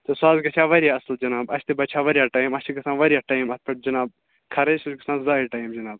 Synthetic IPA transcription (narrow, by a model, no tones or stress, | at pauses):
t̪ɐsaːzɡɐt͡ʃʰaːʋɐɾʲijaːɐsld͡ʒɐnaːbɐʃt̪ibɐt͡ʃʰaːʋɐɾjaːʈaːimɐst̪iɡɐsãːnʋɐɾʲijaːʈaːjmɐt̪̚pʰɐʈ̚d͡ʒɐnaːb̚ | kʰɐɾɐsuzɡɐsãːnzaːiʈɐːjmd͡ʒɐnaːb̚